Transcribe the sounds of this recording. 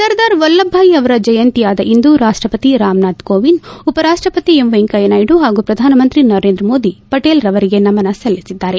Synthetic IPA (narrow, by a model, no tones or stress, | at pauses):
sɐɾd̪aːɾʋɔlːɐbʱːaːiɐʋɐɾɐd͡ʒɐjɐnt̪ijaːd̪ɐʔind̪uɾaːʂʈɾɐpɐt̪iɾaːmnaːd̪koːʋinupɐɾaːʂʈɾɐpɐt̪iemʋeŋkɐjɐnaːjɖuɦaːɡuːpɾɐd̪ʱaːnɐmɐnt̪ɾinɐɾeːnd̪ɾɐmo̞ːd̪ipɐʈeːlɾɐʋɐɾiɡe̞nɐmɐnɐsɐlːisid̪ːaːɾe̞